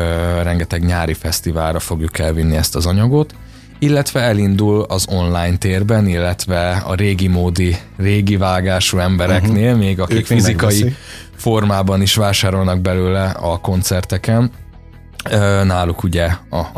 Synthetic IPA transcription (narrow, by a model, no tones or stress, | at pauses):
ørɛŋɡɛt̪ɛɡɲaːɾifɛst̪ivaːlrɒfo̞ɡjukɛlvinːiɛst̪ɒzɒɲɒɡo̞t̪ | ilːɛt̪ʋɛɛlind̪ulɒzo̞nlaːjnt̪eːrbɛnilːɛt̪ʋɛɒ̰ɾeːɡimoːd̪i | reːɡivaːɡaːʃuɛmbɛɾɛkneːlmeːɡɒkikfizzikɒji | fo̞rmaːbɒniʃʋaːʃaːɾo̞lnɒɡ̚bɛløːlɛɒko̞nt̪sɛrt̪ɛkɛn | ønaːlukuɟɛɒ